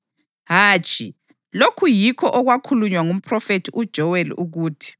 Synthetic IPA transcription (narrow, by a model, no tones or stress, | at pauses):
ɦaːt͡ʃʼi | lokʰujikʰɔʔɔɣwakʰuluɲwaŋum̩pʰrɔfetʰiud̥ʒ̥ʱɔwɛluɣuːtʰi̥